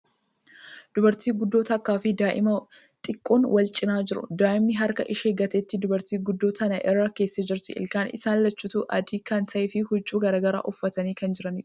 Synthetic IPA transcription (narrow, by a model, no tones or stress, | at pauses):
d̪̥ʊbɐɾt̪iːɡʊd̪ːo̞ːt̪ɐkːaːfɪd̪aːʔɪ̰mɐt̪ʼɪkʼːoːnwʔɐlt͡ʃʼɪnaːd͡ʒɪɾʊ̰d̪aːʔɪmnɪɦɐɾkɐʔɪʃeːɡɐt̪eːt̪ːɪd̪ʊbɐɾt̪iːɡʊd̪ːoːt̪ʰɐnɐʔɛɾːɐke̞ːsːɐd͡ʒɪɾt̪ɪʔɪ̰lkaːnɪ̰saːnlɐt͡ʃːʊt̪uʔɐ̰d̪iːkɐnt̪ɐʔɛfɪhʊt͡ʃʼːuːɡɐɾaːɡɐɾa̰ːʔʊfːɐt̪ɐniːkɐnd͡ʒɪɾɐniᶑ̥